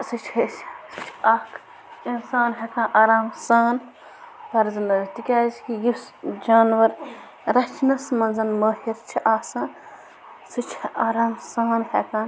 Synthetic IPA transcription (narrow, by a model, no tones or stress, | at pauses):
sɨt͡ʃʰhessɨ̥t͡ʃʰaːkʰ | insaːnɦekãːnʔaːɾaːmsaːn | pɐɾzɨnɐzt̪ikʲaːskijisd͡ʒaːnʋɐɾ | ɾɐt͡ʃʰnɐsmɐnzɐnmɐːhiɾt͡ʃʰiʔaːsɐ̃ | sɨt͡ʃʰʔaːɾaːmsaːnhɛkãːn